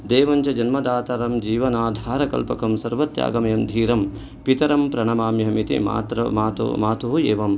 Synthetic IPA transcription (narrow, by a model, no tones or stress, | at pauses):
d̪eːʋɐɲt͡ʃɐd͡ʒɐnmɐd̪aːt̪ɐɾɐmd͡ʒiːʋɐnaːd̪ʱaːɾɐkɐ̰lpɐkɐmsɐɾʋɐt̪ja̰ːɡɐmɐjɐmd̪ʱiːɾɐm | pit̪ɐɾɐmpɾɐɳɐmaːmjɦɐmit̪ḭma̰t̪ɾɐ̰maːt̪maːt̪uɦueːʋɐm